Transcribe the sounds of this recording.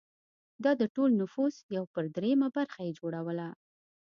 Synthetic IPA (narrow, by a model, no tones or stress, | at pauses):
d̪ɑd̪əʈolnʊfusjawpəɾd̪ɾemabaɾxajed͡ʒoɽawəla